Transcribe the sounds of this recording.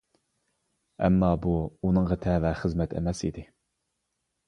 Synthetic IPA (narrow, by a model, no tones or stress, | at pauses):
ɛ̰mːɑːbuunɨŋʁɑt̪ʰɛːvɛχəzmɛt̪ʰɛ̰mɛsḭd̪ɪ